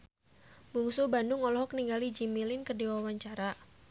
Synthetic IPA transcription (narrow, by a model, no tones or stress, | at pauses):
muŋsubandʊŋɔlɔɦɔkniŋɡalid͡ʒimilɪnkərdiwawaɲt͡ʃaɾa